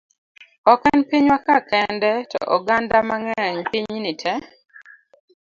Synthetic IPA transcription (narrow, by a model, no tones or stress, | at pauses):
ɔkɛnpiɲwakakɛndɛtɔ̰ʔɔɡandamaŋɛɲpiɲnitʰɛ